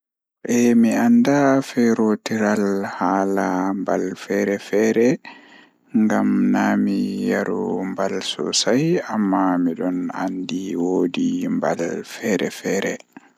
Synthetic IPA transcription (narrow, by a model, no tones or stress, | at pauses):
ʔɛmiandafɛɾotiɾalhaːlambalfɛɾɛfɛːɾɛ | ŋɡamnaːmijaɾṵmbalsɔ̰sajamːamiɗɔna̰ndiwoːdimba̰lfɛɾɛ̰fɛːɾɛ